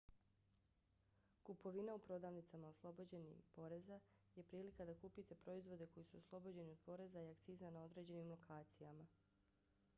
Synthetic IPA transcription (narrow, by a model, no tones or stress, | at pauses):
kupo̞ʋinaupɾo̞d̪aːʋnit̪samaoslˠo̞bod͡ʑe̞nḭpo̞ɾe̞za | je̞pɾiːlikad̪akuːpit̪e̞pɾo̞izʋo̞d̪e̞ko̞jisuoslˠo̞bod͡ʑe̞nio̞d̪̚po̞ɾe̞zaiakt̪siːzanao̞d̪ɾe̞d͡ʑe̞nimlˠo̞kʰaːt̪sijama